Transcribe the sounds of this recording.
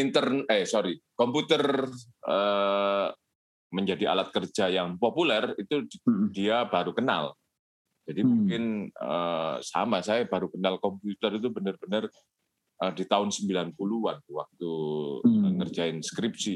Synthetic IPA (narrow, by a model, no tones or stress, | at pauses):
int̪ərnəsoɾikɔmput̪ərə | məɲd͡ʒadia̰lat̪̚kərd͡ʒajaŋpopulɛrit̪udiabaɾukəna̰l | d͡ʒadimuŋkɪnəsa̰masajabaɾukənalkɔmput̪ərit̪̬ubənərbənər | ədit̪aʊnsəmbilanpuluant̪uwak̚t̪u | əkərd͡ʒaɪnskɾip̚si